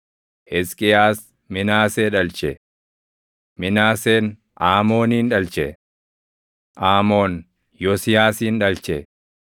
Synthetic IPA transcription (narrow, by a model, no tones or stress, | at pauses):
ʔɛskʼɪjaːs | mɪnaːseːᶑɐlt͡ʃɛ | mɪnaːseːn | ʔaːmo̞ːniːnᶑɐlt͡ʃɛ | ʔaːmo̞ːn | jɔsɪjaːsiːnᶑɐlt͡ʃɛ